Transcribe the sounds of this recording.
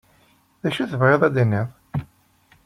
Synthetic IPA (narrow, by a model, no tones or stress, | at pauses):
ðæʃuθəvʁeðˤæd̪inːeðˤ